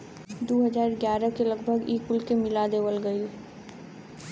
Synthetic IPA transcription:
d̪oːɦəd͡ʒaːɾɡjaːɾəkelɐɡbʱəɡiːkʊlkemɪlad̪eːʋəlɡəil

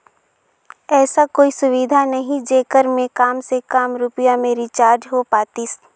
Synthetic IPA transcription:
ɛːsakoːisʊʋid̪ʱanɐɦĩd͡ʒeːkəɾmẽkaːmsekaːmɾʊpɪjamẽɾɪt͡ʃaːɾd͡ʒɦopaːt̪iːs

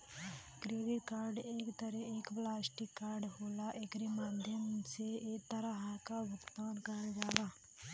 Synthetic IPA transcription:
kɾeːɖɪʈkaːɾɖeːkt̪əɾɛeːkplaːsʈɪkːaːɾɖɦoːlaʔeːkɾemaːd̪ʱjəmseeːkt̪ɐɾaɦakaʋəkt̪oːnkəɾd͡ʒaːɡaː

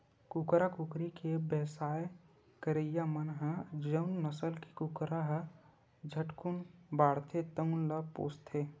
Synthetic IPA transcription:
kukɾakukɾikebəɦsaːj | kəɾejamənɦəd͡ʒəʊnːəsəlki̥kukɾaɦə | d͡ʒʱəʈkunbaːɾt̪ʰet̪əʊnləpo̰ːst̪ʰe

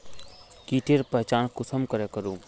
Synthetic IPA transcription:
kiːʈʰeɾpəɦt͡ʃaːnkʊsəmkəɾekəɾuː

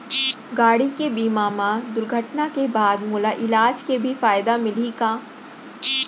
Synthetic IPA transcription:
ɡaːɽikebiːmaːmad̪ʊɾɡʱəʈnakebaːd̪muːlaʔɪlaːd͡ʒkebʱifaːjɪd̪amɪliɡaː

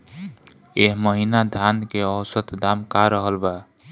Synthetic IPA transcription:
eɦməɦinad̪ʱankeəwsət̪d̪amkaɾəɦəlba

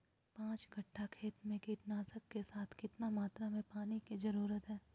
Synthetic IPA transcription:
pãːt͡ʃɡʱɐʈʰːakʰeːt̪mẽkiːʈnaːsəkːesaːt̪ʰkɪt̪namaːt̪ɾamẽpaːnikizɐɾuːɾət̪ɦɛː

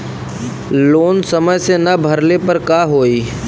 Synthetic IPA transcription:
loːnsɐməjsenɐbʱɐɾlepɐɾkaːɦoːiː

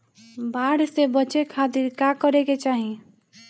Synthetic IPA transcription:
baɽ̤sebət͡ʃekʰat̪iɾkakəɾeket͡ʃaːɦĩ

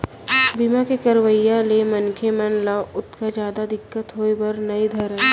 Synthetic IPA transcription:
bimãkekɐɾʋəjalemɐnkʰemɛnlaʋʊt̪kad͡ʒjaːd̪ad̪ɪkːət̪ɦoːibɐɾnɐid̪ʱɐɾɦɛ

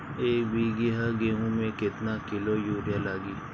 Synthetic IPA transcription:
eːkbʱiːɡɪɦaɡeːɦũmẽkɪt̪nakɪlojuːɾjalaːɡiː

